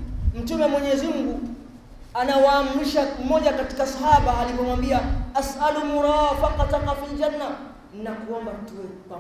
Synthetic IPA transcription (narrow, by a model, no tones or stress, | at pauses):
m̩tumɛmwɛɲɛzim̩ɡu | anawaːm̩ɾiʃamɔʄakati̥kasahaɓaːlivɔmwambiaasalumuɾafaqɑtaqɑfild͡ʒanːa | nakuɔmbam̩tuwɛpa